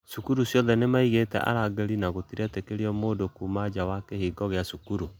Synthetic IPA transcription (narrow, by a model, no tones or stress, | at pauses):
sukuɾusjɔðɛnemaiɣetɛ̰ʔa̰ɾaɡɛɾinaɣotiɾɛtɛkeɾiɔmoːdokumad͡ʒawakehiːɡɔɣeasukuɾu